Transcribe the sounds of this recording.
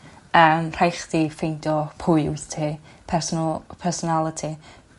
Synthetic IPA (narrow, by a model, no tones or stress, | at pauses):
əmr̥ajχd̥ifejndɔpʰʊɨwθtʰiːpʰɛrsɔnlˠpʰɛrsɔnalˠətʰi